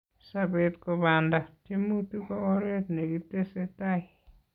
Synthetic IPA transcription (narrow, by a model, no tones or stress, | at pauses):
sabetkoβandatimutukooɾetneɡitesetai